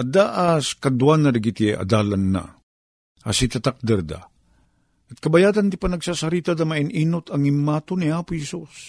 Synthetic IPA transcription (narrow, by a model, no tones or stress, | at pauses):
ʔɐd̪aʔaskɐd̪uanːɐd̪ɐɡit̪ɛʔɐ̰d̪aːlɐnːa̰ | ɐsɪt̪at̪ak̚d̪ɛɾd̪a̰ | ʔɐt̪̚kɐbɐjaːdɐnd̪ɪipɐnɐɡsasɐɾiːt̪ad̪ɐmɐʔɪniːnʊt̪ɐŋɪmːaːt̪ʊnɪaːpʊhɛsus